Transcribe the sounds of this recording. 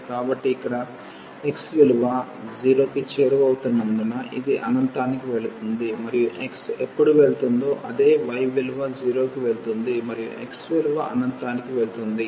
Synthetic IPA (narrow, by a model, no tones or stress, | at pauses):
kaːbɐʈːiːkːɐɽɐ | eksʋiluʋad͡ʒiːɾo̞ːkit͡ʃeːɾubɐwut̪unːɐnd̪unɐʔḭd̪iʔɐ̰nɐnt̪aːnikiʋe̞ɭut̪und̪imɐɾijuʔeksepːuɽuʋe̞ɭut̪und̪o̞ːʔɐd̪e̞ːʋɐjʋiluʋad͡ʒiːɾo̞ːkiʋe̞ɭut̪und̪imɐɾijṵʔḛksʋiluʋaʔɐ̰nɐnt̪aːnikiʋeɭut̪und̪i